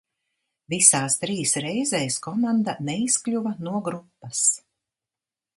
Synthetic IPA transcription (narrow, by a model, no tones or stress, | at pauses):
visaːst̪ɾiːsɾɛjzɛjskɔmand̪anɛisklʲuvanuɔɡɾupːɐs